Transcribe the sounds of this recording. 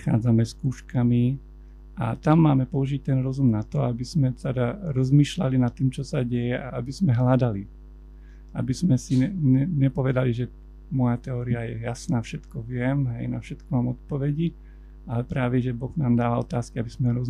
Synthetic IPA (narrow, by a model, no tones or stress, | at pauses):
xa̰ːd͡zamɛskuːʃkami | ʔa̰t̪amːaːmɛpɔuʒic̚t̪ɛnɾɔzumnat̪ɔabizmɛt̪ɛd̪aɾɔzmiːʃlalinat̪ːiːmt͡ʃɔsaɟɛjɛʔaʔabiz̥mɛɦlad̪ali | a̰bizmɛsiɛɲɛɲɛpɔʋɛd̪aliʒɛ | mɔjat̪ɛɔːɾiajɛ̰jasnaːfʃɛt̪kɔʋɪɛmɦɛ̰jnafʃɛt̪kɔmaːmɔt̪̚pɔʋɛɟi | alɛpɾaːʋɛʒɛbɔɣnaːmd̪aːʋaɔt̪aːskiabizmɛɾɔz